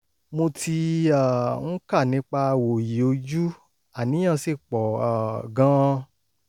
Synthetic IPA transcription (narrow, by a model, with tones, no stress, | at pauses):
mo˧tʰi˧a˨n̩˦ka˦˨nĩ˨˧˦k͡pa˧wo˨ji˨o˧d͡ʒu˦ | a˨nĩ˨˦ã˦˨˧si˦˨k͡pɔ˨a˨ɡã˧